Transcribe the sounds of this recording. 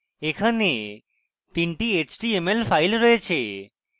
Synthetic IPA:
ekʰane | t̪iɳʈiet͡ɕʈiemelfʰajlɾɔet͡ɕʰe

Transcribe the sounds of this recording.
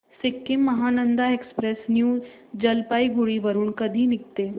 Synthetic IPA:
sekːimːəɦanənd̪aekspɾesnjuː | d͡ʑəlpaiɡuɭiːʋəɾuːnkəd̪ʱiːnik̚t̪e

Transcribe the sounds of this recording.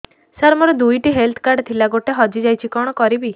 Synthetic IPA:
saɾmɔɾɔd̪ujʈiɦelt̪ʰkaɾɖt̪ʰilaɡoʈeɦɔd͡ʒid͡ʒajt͡ʃʰikɔɽ̃ɔkɔɾibi

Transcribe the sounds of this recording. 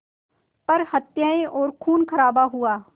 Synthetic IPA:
pɐɾhɐt̪jaːẽʔɔːɾkʰuːnkʰɐɾaːbaɦuaː

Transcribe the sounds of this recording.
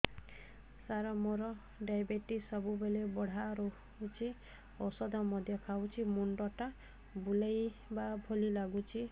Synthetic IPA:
saɾɔmɔɾɔ | ɖajbeʈisɔbubelebɔɽ̤aɾo | ut͡ʃʰi | ɔsɔd̪ʱɔmɔd̪ʱjɔkʰawt͡ʃʰimuɳɖɔʈa | bulejbabʱolilaɡut͡ʃʰi

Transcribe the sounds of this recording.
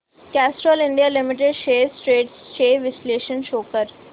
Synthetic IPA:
kæːsʈɾoːlɪ̃ɳɖijalɪmɪʈ̬eɖʃeːsʈɾeːɖsʃeːʋɪsleːʃə̃nʃoːkəɾ

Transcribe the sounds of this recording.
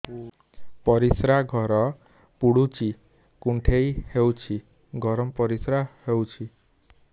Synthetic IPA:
pɔɾisɾaɡʱɔɾɔ | puɽut͡ʃi | kuɳʈʰejhewt͡ʃʰi | ɡʱɔɾɔmpɔɾisɾahewt͡ʃʰi

